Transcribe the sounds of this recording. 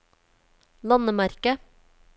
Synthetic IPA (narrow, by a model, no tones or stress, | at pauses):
lɑnəmæɾkə